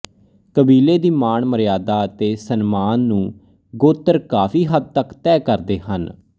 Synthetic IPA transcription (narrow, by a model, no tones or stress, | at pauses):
kəbiːleːd̪iːmaːɳməɾjaːd̪aːət̪eːsənmaːnːũː | ɡoːt̪ːəɾkaːfʰiːɦəd̪̚t̪əkt̪ɛːkəɾd̪eːhən